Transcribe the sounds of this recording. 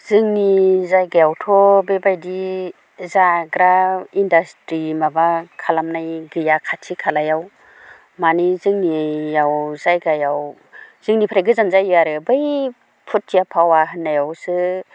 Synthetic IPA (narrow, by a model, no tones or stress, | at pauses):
z̥ɯŋnizajɡajawtʰɔbebajdi | zaɡɾaindastɾimabakʰalamnajɡɯjakʰatʰikʰalajaw | manizɯŋnijawzajɡajaw | z̥ɯŋnipʰɾaɡɯzanzajaɾɯbɯj | pʰut̚ːijapʰawaɦɯnːajawsɯ